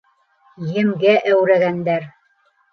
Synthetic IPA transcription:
jɘ̆mɡæʔæwɾæɣænd̪æɾ

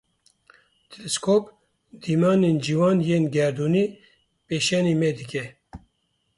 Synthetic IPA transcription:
t̪ʰilɛskʰoːp | d̪iːmɑːneːnd͡ʒiːwɑːnjeːnɡɛɾd̪uːniː | peːʃɛniːmɛd̪ɨkʲɛ

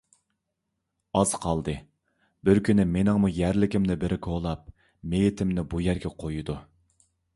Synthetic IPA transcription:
ɑz̥qʰɑlˠd̪ɨ | bɪɾkʲʰynɪmenɪŋmujæɾlɪkʲɪmnɪbɪɾʔɪkʲʰoʁlˠɑp̚ | mejɪt̪ʰɪmnɪbujæɾɡʲɛqʰojud̪u

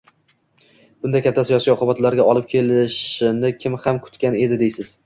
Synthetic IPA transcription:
b̥ʊnd̪akʲʰat̪ʰːasijɒsijɒqʰʊbat̪laɾɡʲaɒlˠɪp̚kʲʰe̞lɪʃɪnɪkʲʰɪmhamkʰʊ̥t̪kʲane̞d̪ɪd̪ejsɪz̥

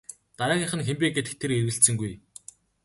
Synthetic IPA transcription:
t̪aɾæːŋiχə̆nxempʲeːkɡet̪ɘ̆kt̪ʰːeɾerɣɘ̆ɬt̪sɘ̆ŋɡuj

